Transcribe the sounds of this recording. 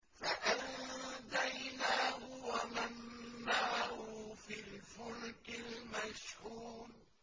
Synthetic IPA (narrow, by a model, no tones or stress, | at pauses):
faʔand̪ajnaːhʊwamanːaːhʊfɪlfʊlkɪlmaʃhuːn